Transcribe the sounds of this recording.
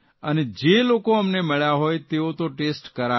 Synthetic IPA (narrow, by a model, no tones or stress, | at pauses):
əned͡ʒelokoəmneməɭjaɦojt̪eot̪oʈesʈkəɾa